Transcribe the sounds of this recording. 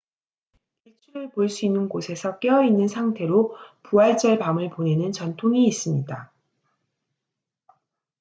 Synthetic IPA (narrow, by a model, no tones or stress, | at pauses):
kiɭt͡ɕʰuɾɯɭpoɭs͈uinːɯnɡosʰe̞sʰʌk͈eʌinːɯnsʰaŋtʰe̞ɾopuaɭt͡ɕ͈ʌɭpamɯɭpone̞nɯnt͡ɕʌntʰoŋiːs͈ɯmɲida